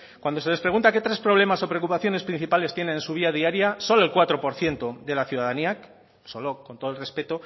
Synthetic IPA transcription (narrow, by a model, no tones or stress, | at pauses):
kwand̪o̞se̞lespɾe̞ɣunt̪ake̞t̪ɾe̞spɾo̞β̞le̞maso̞pɾe̞okupaθjonespɾin̟θipale̞st̪jene̞nensuβ̞iað̞iaɾjaso̞lo̞elkwat̪ɾo̞po̞ɾθje̞nt̪oðe̞laθjuðaðaniak | so̞lo̞kont̪o̞ð̞lre̞spe̞t̪o